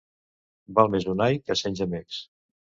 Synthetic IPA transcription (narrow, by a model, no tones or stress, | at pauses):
balˠmezunajkəsenʲʒəmeks